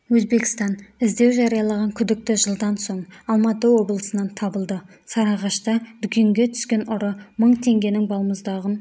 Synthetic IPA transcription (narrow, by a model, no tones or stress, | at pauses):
wɵzbe̞kʲɪ̥st̪ɑnɪzd̪e̞wʒɑɾijɑlˠɑʁɑŋkʲʰʏd̪ɪk̚t̪ɪʒəlˠd̪ɑnso̞ɴɑlˠmɑt̪əwo̞blˠəsənɑnt̪ʰɑbəlˠd̪ə | sɑɾɑʁɑʃt̪ɑd̪̥ʏkʲʰe̞ŋɡʲe̞t̪ʰʏ̥skʲe̞nʔʊɾəməɴt̪ʰe̞ŋɡʲe̞nɪŋbɑlˠəməzd̪ɑʁən